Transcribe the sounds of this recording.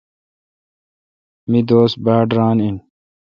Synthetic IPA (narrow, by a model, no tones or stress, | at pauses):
mid̪oːsbaːɖɾaːnin